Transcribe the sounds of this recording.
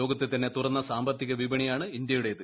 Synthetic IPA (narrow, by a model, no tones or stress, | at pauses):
o̞ːɡɐt̪ːet̪ːɐnːet̪urɐnːɐsaːmbɐt̪ːiɣɐʋibɐɳijaːɳɨind̪jɐjuɽe̞ðɨ